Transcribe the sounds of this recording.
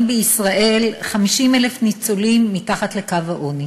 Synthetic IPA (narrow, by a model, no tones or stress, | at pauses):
mbeisʁaʔe̞lχamiʃimelefnit͡solimːitaχatlekavaʔoni